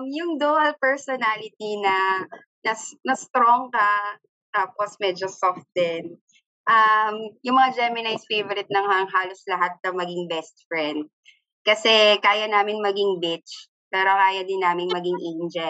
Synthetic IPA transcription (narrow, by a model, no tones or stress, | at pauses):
mjʊŋd̪oːʔɐlpɛɹsonalɪt̪inɐ | nɐsnɐst̪ɾoŋkɐ | t̪aːposmɛd͡ʒosoft̪̚d̪ɛn | ʔɐmjʊŋmɐŋad͡ʒɛmɪnajsfejvoɾɪt̪̚nɐŋhaŋɦaːloslɐɦat̪̚nɐmɐɡɪŋbɛst̪̚fɹɛnd̪̚ | kɐsɛkaːjɐnaːmɪnmɐɡɪŋbɪt͡ʃ | paːɾɐkaːjɐd̪ɪnːaːmɪnmɐɡɪŋʔɛnd͡ʒɛ